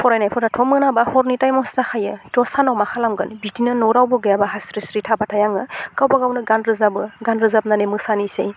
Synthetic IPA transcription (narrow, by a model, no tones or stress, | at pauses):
pʰɔɾajnajpʰɔɾatʰɔmɯnabahɔɾnitajmɔstaxʰajɯtɔsanɔwmaxʰalamɡɯnbitinɯnɔɾawbɔɡɯjabaɦasɾisɾitʰabatʰajaŋɯɡawbaɡawnɯɡanɾɯzabɯɡanɾɯzap̚nanemɯsanisḛj